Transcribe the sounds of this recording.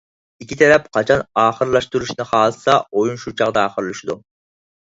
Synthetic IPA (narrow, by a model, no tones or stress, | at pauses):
ikʲʰit̪ʰɛɾɛp̚qʰɑt͡ʃʰɑnɑːχəɾlˠɑʃt̪uɾuʃnɨχɑːlˠsɑojunʃut͡ʃʰɑʁd̪ɑːχəɾlˠuʃid̪u